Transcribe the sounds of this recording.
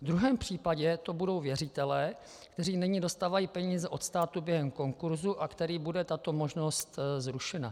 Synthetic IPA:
vd̪ɾuɦɛːmpr̝̥iːpaɟɛt̪o̞budo̞wvjɛrɪt̪ɛlɛː | kt̪ɛr̝iːnɪɲido̞st̪aːvajiːpɛɲiːzɛʔo̞t̪st̪aːt̪ubjɛɦɛmko̞ŋkuɾzuʔakt̪ɛɾiːbudɛt̪at̪o̞mo̞ʒno̞st̪zɾuʃɛna̰

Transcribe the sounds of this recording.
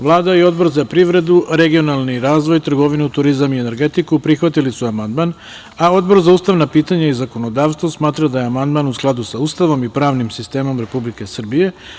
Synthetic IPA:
ʋlˠaːd̪aio̞d̪bo̞ɾzapɾiʋɾe̞d̪uɾe̞ɡio̞nalˠniɾaːzʋo̞jt̪r̩ɡo̞ʋinut̪uɾizamiene̞ɾɡe̞t̪ikupɾixʋat̪ilisuamand̪man | ao̞d̪bo̞ɾzauːst̪aʋnapiːt̪aɲaizako̞no̞d̪aːʋst̪ʋosmaːt̪ɾad̪ajeamand̪maːnusklˠad̪usaust̪aʋo̞mipɾaːʋnimsist̪e̞ːmo̞mɾe̞publike̞sr̩bije̞

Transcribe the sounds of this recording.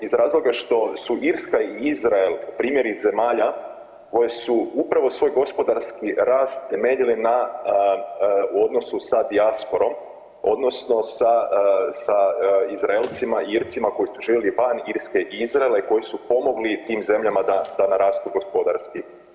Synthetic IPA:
izɾaːzlˠo̞ɡaʃt̪o̞suʔiɾskaiizɾaelpɾiːmje̞ɾize̞maːʎa | ko̞jesuupɾaʋo̞sʋo̞ːjɡo̞spo̞d̪aɾskiɾaːst̪ːe̞me̞ːʎilina | uo̞d̪nosusad̪iaspo̞ɾo̞m | o̞̰d̪no̞sno̞sasaizɾaelˠt̪simaiiɾt̪simako̞jisuʒiːʋjeliʋaniɾske̞ʔiizɾaelaiko̞jisupo̞mo̞ɡlit̪iːmze̞mʎamad̪ad̪anaɾaːst̪uɡo̞spo̞d̪aɾski

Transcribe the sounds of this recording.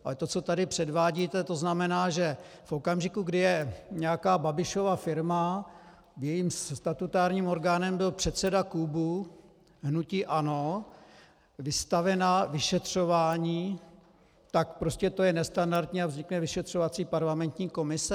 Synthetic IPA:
ʔalɛt̪o̞t͡so̞t̪adɪpr̝̥ɛdvaːɟiːt̪ɛt̪o̞znamɛnaːʒɛ | fʔo̞kamʒɪkuɡdɪjɛɲɛjakaːbabɪʃo̞vafɪɾma | jɛjiːmst̪at̪ut̪aːɾɲiːmo̞ɾɡaːnɛmbɪlpr̥ɛt̪sɛdakubu | ɦnuciːʔano̞ | vɪst̪avɛnavɪʃɛt̪r̝̥o̞vaːɲiː | t̪akpɾoscɛt̪o̞jɛnɛst̪andaɾt̪ɲiːavzɲɪknɛvɪʃɛt̪r̝̥o̞vat͡siːpaɾlamɛnt̪ɲiːko̞mɪsɛ

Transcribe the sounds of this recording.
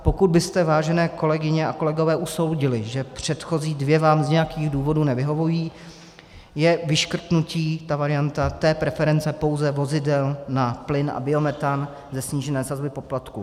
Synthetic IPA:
po̞kud̪̚bɪst̪ɛvaːʒɛnɛːko̞lɛɡɪɲɛʔako̞lɛɡo̞vɛːʔuso̞wɟɪlɪʒɛpr̝̥ɛt̪xo̞ziːdvjɛvaːmzɲɛjakiːɣduːvo̞duːnɛvɪɦo̞vujiː | jɛvɪʃkr̩t̪nuciːt̪avaɾɪjant̪at̪ɛːpɾɛfɛɾɛnt͡sɛpo̞wzɛvo̞zɪdɛlnaplɪnʔa̰bɪo̞mɛt̪an | zɛsɲiːʒɛnɛːsazbɪpo̞plat̪kṵ

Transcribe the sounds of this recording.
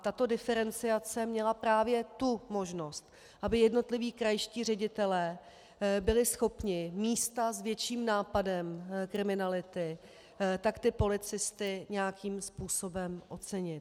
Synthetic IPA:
t̪at̪o̞dɪfɛɾɛnt͡sɪat͡sɛmɲɛlapɾaːvjɛt̪umo̞ʒno̞st̪ | ʔabɪjɛdno̞t̪lɪviːkɾajʃciːr̝ɛɟɪt̪ɛlɛː | bɪlɪsxo̞pɲɪmiːst̪azvjɛt͡ʃiːmnaːpadɛmkɾɪmɪnalɪt̪ɪ | t̪akt̪ɪpo̞lɪt͡sɪst̪ɪɲɛjakʰiːmspuːso̞bɛmʔo̞t͡sɛɲɪt̪

